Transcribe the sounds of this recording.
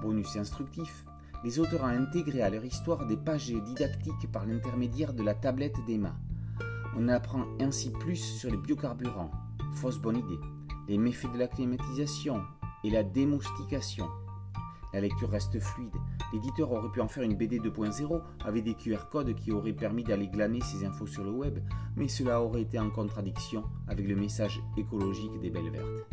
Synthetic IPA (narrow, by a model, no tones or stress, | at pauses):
bɔnysɛ̃st̪χyk̚t̪if | lezot̪ɔʁɑ̃ɛ̃t̪eɡʁealœʁist̪waʁd̪epaʒd̪id̪akt̪ikpaʁlɛ̃t̪ɛʁmed̪jɛʁd̪əlat̪ablɛt̪d̪ema̰ | ɔ̃napχɑ̃ɛ̃siplysːyʁlebjɔkaʁbyʁɑ̃ | fɔsbɔnid̪e | lemefed̪əlaklimat̪izasjɔ̃elad̪emɔst̪ikasjɔ̃ | lalɛk̚t̪yʁːɛst̪əflɥid̪led̪it̪œʁɔʁɛpyɑ̃fɛʁynbed̪ed̪əpwɛ̃zeʁo | a̰vɛk̚d̪ekʰyɛʁkɔd̪kʲiɔʁɛpɛʁmid̪aleɡlanesezɛ̃fosyʁləwɛbmɛsəlaɔʁɛet̪eɑ̃kɔ̃t̪χad̪iksjɔ̃ | avɛkləmesaʒ | ekɔlɔʒikd̪ebɛlvɛ̰ʁt̪